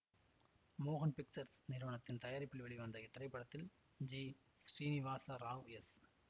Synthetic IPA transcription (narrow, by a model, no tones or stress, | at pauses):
moːɣɐnpɪk̚t͡ʃɐɾsnɪɾʋɐɳɐt̪ːɪnt̪ɐjaːɾɪpːɪlʋɛɭiʋɐnd̪ɐɪt̪ːɪrɐɪpːɐɽɐt̪ːɪl | d͡ʒiː | sɾiːnɪʋaːsɐɾaːʋɛs